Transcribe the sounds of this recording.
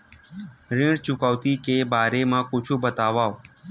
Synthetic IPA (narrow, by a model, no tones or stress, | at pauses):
ɾɪ̃ɽt͡ʃʊkaʋt̪ikebaːɾemãkʊt͡ʃʰũbət̪aʋaːo